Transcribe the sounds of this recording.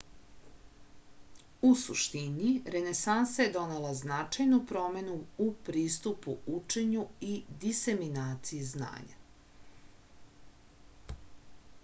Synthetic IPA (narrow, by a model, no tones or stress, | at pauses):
usṵʃt̪iniɾe̞nesansajed̪o̞nelaznat͡ʃajnupɾo̞me̞nuupɾiːst̪upuut͡ʃe̞ɲuid̪ise̞minaːt̪sijezna̰ːɲa̰